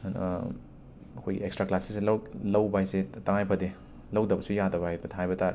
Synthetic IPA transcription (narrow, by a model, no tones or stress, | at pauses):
kʰojekstɾaklasislwlɐwbajsetɐŋajpʰɐde | lɐwdɐbɐsujadɐbaebɐtʰajbɐtaɾ